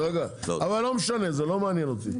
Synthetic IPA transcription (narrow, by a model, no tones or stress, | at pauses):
ʁeɡaavalːo̞meʃane̞zelo̞meanjɛnot̪ḭ